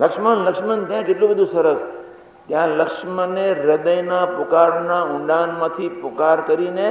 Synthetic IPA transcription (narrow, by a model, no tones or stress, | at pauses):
ləkʃmənləkʃmənt̪jãd͡ʒeʈlũbəd̪ʱũsəɾəs | t̪jãləkʃməneɾəd̪əjnapʊkaɾnãʊ̃ɳɖanmãt̪ʰipʊkaɾkəɾine